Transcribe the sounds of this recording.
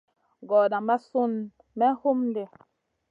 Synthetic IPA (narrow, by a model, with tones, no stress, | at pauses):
ɡɔ˨da˨mba˦su˦n | mɛ˦hu˦mde˨